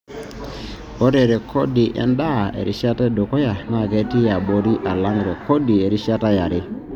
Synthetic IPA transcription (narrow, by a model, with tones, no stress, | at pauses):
ɔ˦ɾe˨ɾɛ˨kʰɔ˦dɪ˨ʔɛ̰˦nda˦˨ḛ˨ɾɪ̰˨˦ʃa˦tɛ˦dɔ˨kɔ˦ja˨ma˦˨kɛ˦ti˦ja˨ɓo˦ɾi˦ʔa˨la˦ŋɡɾɛ˨kɔ˦di˨e˨ɾi˦ʃa˦ta˦ja˨ɾɪ˦